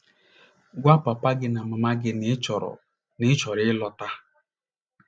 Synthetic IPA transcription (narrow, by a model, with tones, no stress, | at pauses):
ɡʷa˦pa˨pa˦ɡɪ˦na˨ma˨ma˦ɡɪ˦nɪ˦t͡ʃɔ˨ɾɔ̰˨ | nɪ˦t͡ʃɔ˨ɾɪ˦lɔ˦ta˦